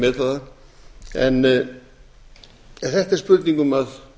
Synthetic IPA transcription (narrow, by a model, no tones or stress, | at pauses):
mɛðθaða | ɛ̰n | θɛht̪ɛɾspʏɾt̪niŋkɵmað